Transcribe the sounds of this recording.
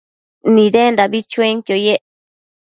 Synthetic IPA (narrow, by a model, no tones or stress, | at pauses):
nĩðend̪aβit͡ʃueŋkjojeʔ